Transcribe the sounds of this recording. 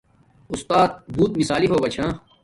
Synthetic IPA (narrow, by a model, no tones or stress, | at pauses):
ʊst̪aːt̪̚b̪ʱuːt̪mɪsaːliɦoːɡaːt͡ʃʰãː